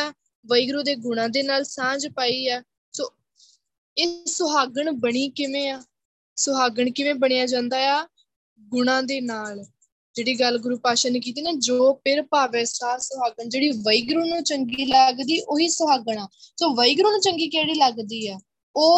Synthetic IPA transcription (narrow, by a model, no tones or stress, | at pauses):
ʋəiːɡɾuːd̪eːɡʊɽ̃ãːd̪eːnaːlsãːd͡ʒpaːiːɛː | soː | eːsʊɦaːɡəɳbəɽiːkɪʋẽːaː | sʊɦaːɡəɳkɪʋẽːbəɽ̃ijaːd͡ʒãːnd̪aːjaː | ɡʊɳãːd̪eːnaːl | d͡ʒeːɽiːɡəlɡʊɾuːpaːʃənk̬iːt̪iːneːd͡ʒoːpɪɾpaːʋɛːsaːsʊɦaːɡəɳd͡ʒeːɽiːʋəiːɡɾuːnũːt͡ʃəŋɡiːləɡd̪iːʔoːiːsʊɦaːɡəɳ̃aːsoːʋəiːɡɾuːnũːt͡ʃəŋɡiːkɛːɽiːləɡd̪iːɛː | oː